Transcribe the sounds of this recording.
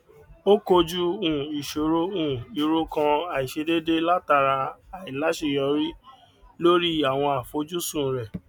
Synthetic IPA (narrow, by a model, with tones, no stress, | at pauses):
o˦ko˧d͡ʒu˦ũ˦˨i˨ʃo˨ɾo˧ũ˦˨i˨ɾo˧kã˧a˨i˨ʃe˧de˦de˦la˦ta˧˨ɾa˧a˨i˨la˨˦ʃe˦˨jɔ˨˧˦ɾi˦ | lo˦ɾi˦a˨w̃ɔ̃˧a˨fo˨˦d͡ʒu˦sũ˦˨ɾɛ˨